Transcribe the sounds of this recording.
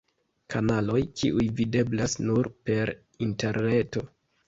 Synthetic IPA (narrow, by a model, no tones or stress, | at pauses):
kanalo̞jkḭʔujvide̞blasnuɾpe̞ɾ | inte̞ɾne̞to̞